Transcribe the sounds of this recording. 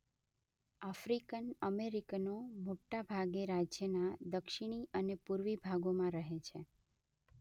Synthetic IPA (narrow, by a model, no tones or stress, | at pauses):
afɾikənəmeɾiknomoʈːabʱaɡeɾad͡ʒjənad̪əkʃɪɽ̃iʔənepuɾʋibʱaɡomãɾəɦet͡ʃʰe